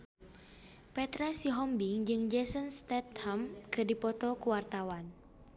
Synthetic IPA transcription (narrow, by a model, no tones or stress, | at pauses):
pɛt̪ɾɛsiɦɔmbiŋd͡ʒɨŋd͡ʒɛsənst̪ɛt̪hamkərdipɔt̪ɔkuwart̪awan